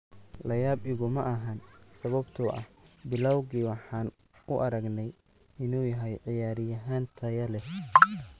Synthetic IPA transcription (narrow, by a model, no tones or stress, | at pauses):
lɐjaːbɪɣʊmɐʔɐɦɐnsɐβɐbt̪ʰʊʔɐ̰hbɪlɐwɣiːwɑħɑːn | ʔʊʔɐɾɐɡnɛj | ɪnuːjɐɦɛjʕɪjaːɾɪjɐɦaːnt̪ʰɐjɐlɛ